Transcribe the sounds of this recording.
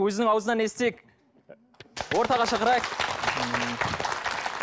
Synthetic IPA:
wɵzɪnɪŋɑwəzənɑne̞st̪e̞k | wo̞ɾt̪ɑʁɑʃɑqəɾɑjq

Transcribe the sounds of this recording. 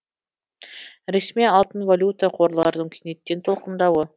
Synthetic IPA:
ɾesmijɑlˠt̪ənvalʲut̪əqʰo̞ɾlˠɑɾd̪əŋkʲʰinet̪ːe̞nt̪ʰo̞lˠqənd̪ɑwə

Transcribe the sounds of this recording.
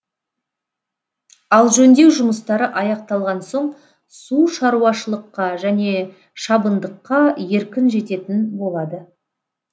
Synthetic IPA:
ɑlˠʒɵnd̪e̞wʒʊməst̪ɑɾəʔɑjɑq̚t̪ɑlˠʁɑnso̞ɴ | suʃɑɾuɑʃəlˠəqːɑʒæne̞ | ʃɑbənd̪əqːɑje̞ɾkʲɪnʒe̞t̪e̞t̪ɪnbo̞lˠɑd̪ə

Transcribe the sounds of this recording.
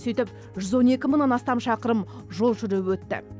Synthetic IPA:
set̪ɪp̚ | ʒʏzwo̞ne̞kʲɪməɴnɑnɑst̪ɑmʃɑqəɾəm | ʒo̞lˠʒʏɾewwɵt̪ːɪ̰

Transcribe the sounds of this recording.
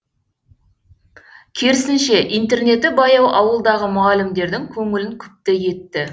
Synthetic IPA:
kʲʰe̞ɾɪsɪnʃe̞ʔijnt̪e̞rne̞t̪ɪbɑjɑwɑwəlˠd̪ɑʁəmʊʁɑlɪmd̪e̞ɾd̪ɪŋkʲʰɵŋɪlɪŋkʲʰʏ̥p̚t̪eje̞t̪ːɪ

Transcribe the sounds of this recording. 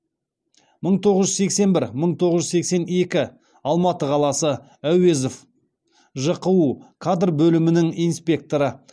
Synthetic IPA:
məɴt̪ʰo̞ʁəzʒʏzse̞kse̞nbɪɾməɴt̪ʰo̞ʁəʒze̞kse̞ne̞kʲɪ | ɑlˠmɑt̪əqʰɑlˠɑsə | æwe̞zof | ʒəqəwukʰad̪rbɵlɪmɪnɪŋijnspʲe̞k̚t̪o̞ɾə

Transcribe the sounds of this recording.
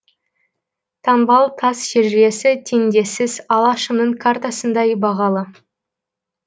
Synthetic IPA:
t̪ʰɑnbɑlˠt̪ʰɑsʃe̞ɾʒe̞sɪt̪ʰe̞nd̪e̞sɪzɑlˠɑʃəmnəɴkʰart̪asənd̪ɑjbɑʁɑlˠə

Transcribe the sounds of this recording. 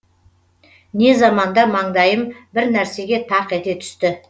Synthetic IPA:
ne̞zɑmɑnd̪ɑmɑɴd̪ɑjəmbɪɾnæɾse̞ɡʲe̞t̪ʰɑqet̪e̞t̪ʰʏ̥st̪ɪ

